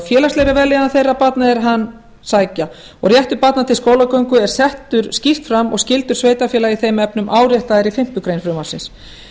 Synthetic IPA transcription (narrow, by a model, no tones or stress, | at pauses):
fjɛːlast̪ejɾavɛlɪðanθejrːapat̪̚naɛɾɦanː | saːjca | ɔɣrjɛht̪ʏpat̪nat̪ʰɪlskoːwlakœwŋkʏɛɾ̥sɛht̪ʏɾscift̪fɾamɔ̰ɣscɪlt̪ʏɾsveːjt̪afjɛːlaiθejmɛpnʏmʔaːwɾjɛht̪aðɛɾifɪm̥t̪ʏkɾejnfɾʏmaɾsɪ̰ns